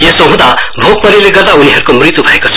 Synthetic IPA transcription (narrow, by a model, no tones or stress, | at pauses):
jesoɦũd̪abʱok̚mʌɾileɡʌɾd̪auniɦʌɾukomrit̪jubʱʌekot͡sʰʌ